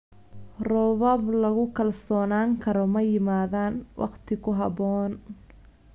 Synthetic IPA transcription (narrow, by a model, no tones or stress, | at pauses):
rɔβɐblɐɣʊkʰɐlsɔːnaːŋkʰɐɾɔmɐjɪmaːðaːnwʔɑ̰qt̪ʰɪkʰʊɦɑbɔːn